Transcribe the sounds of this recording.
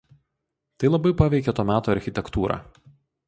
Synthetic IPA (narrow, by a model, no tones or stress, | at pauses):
t̪ɐɪlˠɐbɐɪpɐʋʲɛɪkʲɛt̪oːmʲæːt̪oːɐɾʲxʲɪt̪ʲɛkt̪uːɾɑ̰ː